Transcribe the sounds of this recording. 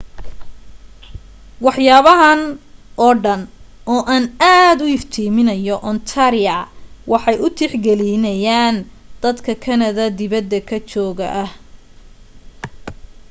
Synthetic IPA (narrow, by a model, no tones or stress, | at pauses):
wɑħjaːβɐɦɐnʔɔːɖɐn | ɔːʔaːnaːd̪ʊɪft̪ʰiːmɪnɐjɔʔɔnt̪ʰaɾɪɐwɑħɑjʊt̪ʰɪħɡɛlinɐjaːnd̪̥ɐd̪kʰɐkʰɐnɐðɐd̪ɪβɐd̪ːɐkʰɐt͡ʃɔːɣɐ̰ʔɐh